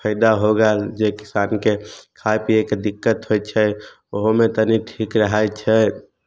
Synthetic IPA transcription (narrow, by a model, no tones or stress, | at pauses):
pʰəɪd̪aɦoɡald͡ʒekɪ̥saːnkekʰajpiekd̪ikːət̪ɦojt͡ʃʰɛ | oɦmet̪əniʈʰikɾəɦajt͡ʃʰɛ